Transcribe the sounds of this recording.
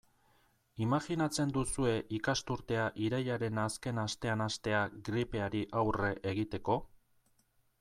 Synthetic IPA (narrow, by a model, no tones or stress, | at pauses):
imaɣinat͡se̞nd̪usue̞ʔikast̪uɾt̪e̞aʔiɾajaɾe̞naske̞nast̪e̞anast̪e̞aɡɾipe̞aɾiʔawre̞ʔeɣ̞it̪e̞ko̞